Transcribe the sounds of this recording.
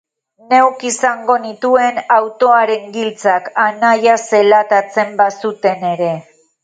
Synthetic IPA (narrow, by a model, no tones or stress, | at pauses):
ne̞wkisaŋɡo̞nit̪ue̞nawt̪o̞aɾe̞ŋɡilt͡sakanajase̞lat̪at͡se̞mbasut̪e̞ne̞ɾe̞